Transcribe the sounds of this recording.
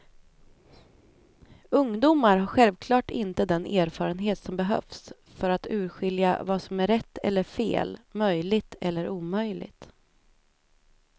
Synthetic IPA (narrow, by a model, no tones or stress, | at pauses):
ɵŋd̪uːmaɾɦaɾɧɛlvkʰlɑːʈɪnt̪əd̪ɛnʔeːɾfɑːɾənɦeːt̪sɔmbɛɦœ̰fs | fœɾat̪ʉ̟ːɾɧɪlja̰vasɔmæɾɛt̪ːɛ̰lːəɾfḛːlmœjlɪɡt̪ʰɛ̰lːəɾuːmœjlɪ̰ɡt̪